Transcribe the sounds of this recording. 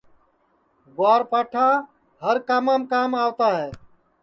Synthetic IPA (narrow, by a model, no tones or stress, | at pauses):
ɡoaːɾpaʈʰã | ɦəɾkamamkaːmaːwt̪aɦɛː